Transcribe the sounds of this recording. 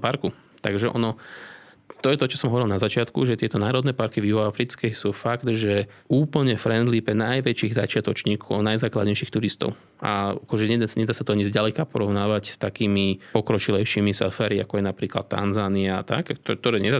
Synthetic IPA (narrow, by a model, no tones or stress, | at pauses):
paɾku | t̪aɡʒɛʔɔ̰nɔ | t̪ɔjɛt̪ɔt͡ʃɔ̥sɔmɦɔʋɔɾilˠnazat͡ʃɪat̪kuʒɛt̪ɪɛt̪ɔnaːɾɔd̪nɛːpaɾkivjuɦɔafɾit͡skɛsuːfaɡd̪ʒɛuːpl̩ɲɛfɾɛnd̪lipɛnajʋɛt͡ʃiːɣzat͡ʃɪat̪ɔt͡ʃɲiːkʰɔʊnajzaːkla̰d̪ɲɛjʃiːxt̪uɾist̪ɔ̰ʊ | ʔa̰akɔʒɛɲɛɲɛd̪aːsat̪ɔaɲizɟalɛkapɔɾɔʊnaːʋacst̪akiːmipɔkɾɔt͡ʃilɛjʃiːmisa̰faːɾia̰kɔjɛnapɾiːkla̰t̪ːa̰nzaːniaa̰t̪a̰kt̪k̚t̪ɔɾɛːɲɛa